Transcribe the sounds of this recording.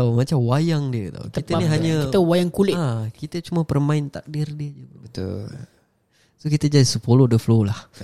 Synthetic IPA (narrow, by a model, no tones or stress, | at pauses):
t̪awmat͡ʃamwajaŋdiət̪a̰wkit̪əniɦaɲə̃t̪əwajaŋkulɪʔakit̪ət͡ʃumapərmãɪnt̪ak̚dirdiəd͡ʒut̪ṵ | sokit̪əd͡ʒadisəpolohdəflolah